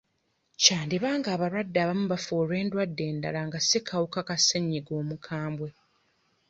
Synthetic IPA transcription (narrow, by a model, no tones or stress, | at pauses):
caːndiβaːŋɡaːβaɾwadːaːβamuβafoːɾwe̞ːndwadːe̞ːnda̰laŋɡasekʰawukakaseɲːiɡo̞ːmukʰaːmbwe̞